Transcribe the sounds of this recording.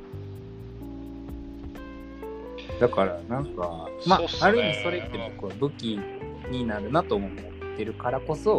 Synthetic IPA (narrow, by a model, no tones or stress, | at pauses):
d̪akaɾanãŋkamaːɾɯ̟imʲiso̞ɾeit̪ːe̞bo̞kɯ̟βabɯ̟kʲi | ɲ̟inaɾɯ̟nat̪o̞ːomot̪ːe̞ɾɯ̟kaɾako̞so̞